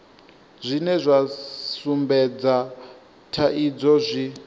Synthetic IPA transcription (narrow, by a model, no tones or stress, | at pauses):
zʷinɛzʷasumbɛd͡za | tʰaʔid͡zɔzʷi